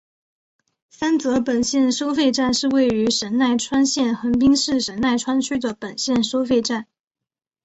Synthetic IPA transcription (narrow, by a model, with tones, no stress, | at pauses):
fa˥nt͡sɤ˧˥pə˨˩nɕjɛ˥˩nʂo˥ʊfe˥˧ɪʈ͡ʂa˥˧nʂɻ̩˥˧we˥˩ɪy˧˥ʂə˧˥nna˥˩ɪʈ͡ʂʰwa˥nɕjɛ˥˩nxə˧˥ŋp̬i˥ŋʂɻ̩˥˩ʂə˧˥nna˥˩ɪʈ͡ʂʰwa˥nt͡ɕʰy˥d̪ə˨˩pə˨˩nɕjɛ˥˩nʂo˥ʊfe˥˧ɪʈ͡ʂa˥˩n